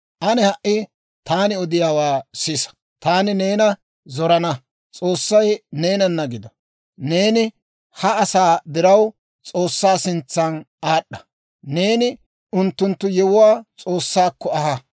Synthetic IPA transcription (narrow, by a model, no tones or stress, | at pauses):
ʔɐnɛhɐʔɪ | t̪aːnɪɔd̪ɪjaːwaːsiːsɐ̥ | t̪aːnɪne̞ːnɐ | zɔɾɐnɐ | t͡sʼo̞ːsːɐjne̞ːnɐnːɐɡɪd̪ɔ | ne̞ːnɪ | hɐɐsaːd̪ɪɾɐw | t͡sʼo̞ːsːaːsɪnt͡sːɐn | aːɗːɐ̥ | neːnɪ | ʊnt̪ːʊnt̪ːʊjɛwʊwaːt͡sʼo̞ːsːaːkːɔɐhɐ